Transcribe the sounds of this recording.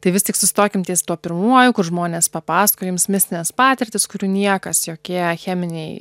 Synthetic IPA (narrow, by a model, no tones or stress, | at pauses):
t̪ɐɪʋʲɪst̪ʲɪksʊsʲɪt̪oːkʲɪmt̪ʲɛɪst̪uɔpʲɪɾmuɔjʊkʊrʒmoːnʲeːspɐpɑːskoːjumsmʲɪsʲt̪ʲɪnʲɛspɑːt̪ʲɪɾʲt̪ʲɪskʊɾʲuːnʲiɛkɐsjoːkʲiɛxʲæːmʲɪnʲɛɪ